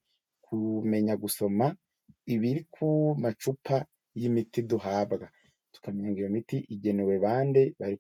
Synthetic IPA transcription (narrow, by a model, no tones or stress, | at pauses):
kʰume̞ɲaɡuso̞ma | iβiɾikʰumat͡ʃupʰa | jimitiduɦaːbɡa | tu̥kamɲaŋɡiɾomitiʔiɟe̞newe̞βaːnde̞βaɾi